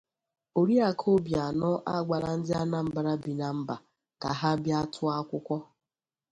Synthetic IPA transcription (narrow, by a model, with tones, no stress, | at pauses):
o˨ɾi˦a˨kʰo˦bja˨nɔ˦ʔa̰˦˨ɡ͡ba˨ɾa˨n̩˦dɪ˦a˦na˦m̩˨ba˨ɾa˦bi˨na˨m̩˦ba˨ | ka˨ɦa˦bja˦tʰʊ˦a˦kʷʊ˦kʷɔ˦